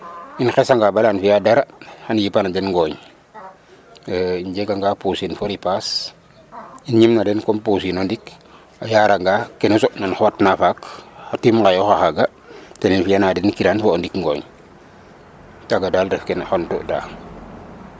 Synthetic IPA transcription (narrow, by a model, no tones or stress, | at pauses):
inxesaŋɡabalanfijadaɾahanjipanadenŋɡoːɲ | iɲd͡ʒekaŋɡapusinfoɾipas | inɲimnadenkompus̬inondik | ajaːɾaŋɡakenusonanxoatnafakatimkajoxaxaɡa | teninfijanaːdenkiɾanfoondikŋɡoːɲ | taɡadaldefkenxonto̰ʔda̰